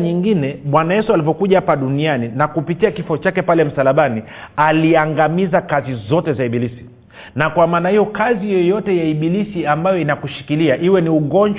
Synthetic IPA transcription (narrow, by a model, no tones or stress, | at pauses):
ɲiŋɡinɛmwanajɛsualivɔkuʄahapaɗunianinakupitiakifɔt͡ʃakɛpalɛm̩salaɓani | aliaŋɡamizakazizɔtɛzaiɓilisi̥ | nakwamaːnahijɔkazijɔjɔtɛjaiɓilisiambajɔinakuʃi̥kiliaʔiwɛniuɠɔnd͡ʒ